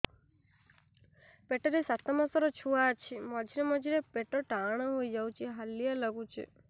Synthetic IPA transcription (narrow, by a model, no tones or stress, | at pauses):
peʈɔɾesat̪ɔmasɔɾɔt͡ʃʰuat͡ʃʰimɔd͡ʒʱiɾemɔd͡ʒʱiɾepeʈɔʈaɽ̃ɔɦojd͡ʒawt͡ʃʰiɦalːijalɔɡut͡ʃʰḭ